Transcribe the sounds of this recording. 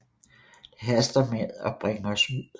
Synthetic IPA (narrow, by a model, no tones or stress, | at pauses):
ɦæsd̥ɐmeðˠɒ̽b̥ʁeŋɐɒ̽suð̰ˠ